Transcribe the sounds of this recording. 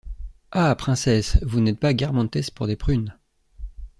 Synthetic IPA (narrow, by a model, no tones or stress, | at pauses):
apχɛ̃sɛsvunɛt̪̚paɡʲaʁmɑ̃t̪ɛspuʁd̪epχyn